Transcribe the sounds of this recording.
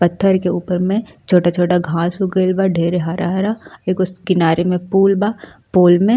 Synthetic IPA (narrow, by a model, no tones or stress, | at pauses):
pɐt̪ʰːəɾkeuːpəɾmẽ | t͡ʃʰoːʈat͡ʃʰoːʈaɡʱãːsuɡeːlbaɖʱeːɾeɦaɾaɦɐɾaeːkoskɪnaːɾemẽpuːlbaː | poːlmẽ